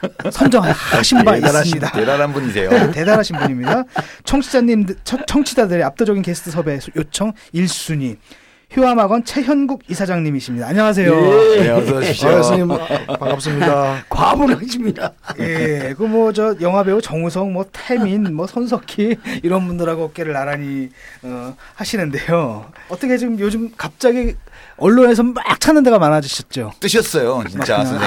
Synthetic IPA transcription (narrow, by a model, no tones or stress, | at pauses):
sʰʌnd͡ʑʌŋɦaaɕʰimbaiaimɲidaedaɾanbuɲisʰejote̞daɾɦaɕʰinbuɲimɲidat͡ɕʰʌŋt͡ɕʰi | t͡ɕʰʌŋt͡ɕʰid͡ʑadɯɾeap̚t͈ʌd͡ʑʌɡinkesʰɯ̥tʰɯsʰʌbe̞sjot͡ɕʰʌŋ | iɭs͈uɲi | çjuɦamaɡʌnt͡ɕʰe̞çjʌnɡuɡisʰad͡ʑaŋɲimiɕʰimɲidaːɲʌŋas̬ʰe̞jo | sɲimpaŋap̚s͈ɯmɲidakwaboɾɯhaɕʰimɲidaje̞kɯmwʌd͡ʑʌjʌŋɦabe̞ut͡ɕʌŋus̬ʰʌŋmwʌtʰe̞minmwʌsʰʌns̬ʰʌkʰiiɾʌnbundɯɾaɡoʌk͈e̞ɾɯɭnaɾaɲiʌhaɕʰinɯnde̞joʌt͈ʌkʰe̞d͡ʑiɡɯmjod͡ʑumkap̚t͡ɕ͈aɡiʌɭːone̞sʰʌmak̚t͡ɕʰanɯnde̞ɣamanad͡ʑuɕʰʌt̚t͡ɕ͈ot͈ɯɕʰʌs͈ʌjot͡ɕit͡ɕ͈a